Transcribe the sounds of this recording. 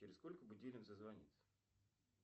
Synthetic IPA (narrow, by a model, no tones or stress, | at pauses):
ɪɾʲɪskolʲkəbʊdʲilʲɪmzəzvɐnʲḭt̪sə̥